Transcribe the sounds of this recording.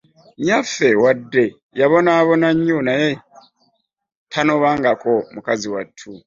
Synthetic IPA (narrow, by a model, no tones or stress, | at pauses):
mjafe̞wadːe̞ | jaβonaβo̞naɲːonaje | tʰanoβaːŋɡakomukaziwatʰːu